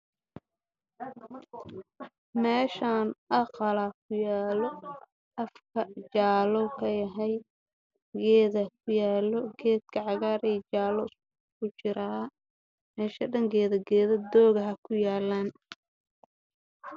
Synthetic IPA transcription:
mɛːʃaːnʔɑqɑlaːkʰʊjaːlɔ | ʔɐfkʰɐt͡ʃaːlɔkʰɐjɐɦɛj | ɡɛːðɐkʰʊjaːlɔɡɛːd̪̚kʰɐʕɑɣaːɾiːt͡ʃaːlɔs | kʰʊt͡ʃɪɾa | mɛːʃɐɖɐŋɡɛːðɐɡɛːðɐd̪ɔːɣɐɦɐkʰʊjaːlːaːn

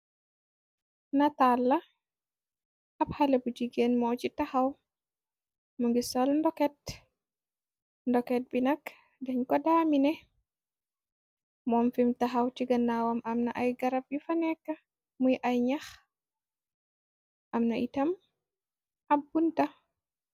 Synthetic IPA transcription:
natalːa | ʔaphalebud͡ʒiɡɛnmɔt͡ʃitahaw | mɔŋɡisɔlndɔkɛt | ndɔkɛt̚binak | dɛɲkɔdaminɛ | mɔmfimtaɦawtiɡanːawamamnaʔajɡaɾab̚ifanɛkːa | mujʔajɲax | ʔamnaʔitam | abːunta

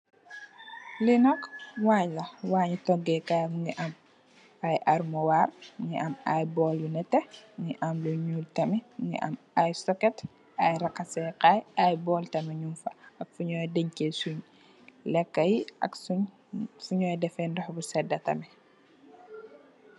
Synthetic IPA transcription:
linɔkwaɲlɐwaːɲutɔɡɛkajmuŋɡiʔɐm | ajʔɐɾmɔwarŋḭɐma̰jbɔːljunɛtːɛŋiʔɐmluɲuːltɐmɛŋḭʔɐ̰m | ajsɔkɛt | ajɾɐkːɐsɛqajajbɔːltɐmɛɲumfɐɐk̚fuɲɔjdəɲkesuɲ | lɛkːɐjiɐ̰ks | fuɲɔːjdɛfɛndɔhbusɛdːɐtɐ̰mɛ

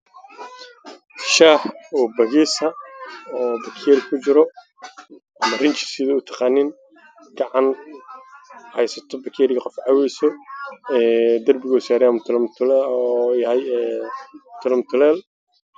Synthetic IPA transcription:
ʃaːħɔːbɐɣiːsɐɔːbɐkʰɛːɾɪkʰʊt͡ʃɪɾɔ | ʔɐmɐrɪnt͡ʃɪ̥sɪðiʊt̪ʰɑ̥qɑːniːn | ɡ̥ɑʕɑn | hɛjsɐt̪ʰɔbɐkʰɛɾɪɣɐqɔfʕɑwɛjsɔɛːd̪ɐrbɪɣɔsaːɾɛɐmt̪ʰɪlmt̪ʰː | jɐɦɛj | t̪ʰʊlɐmt̪ʰʊlɛːl

